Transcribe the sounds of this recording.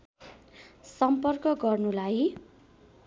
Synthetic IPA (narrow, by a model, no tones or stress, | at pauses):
sʌmpʌrkʌɡʌrnulaj